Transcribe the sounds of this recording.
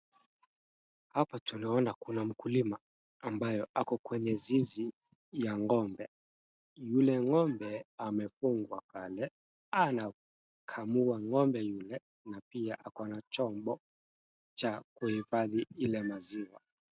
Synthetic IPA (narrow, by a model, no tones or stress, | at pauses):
hapatunaɔnakunam̩kulimaː | mbajɔʔakɔkwɛɲɛzizi | jaŋɔmbɛ | julɛŋɔmbɛamɛfuŋɡwakalɛ | ana | kʰamuaŋɔmbɛjulɛ | napiaʔakanat͡ʃɔmbɔ | t͡ʃakuhifaðiilɛmaziwa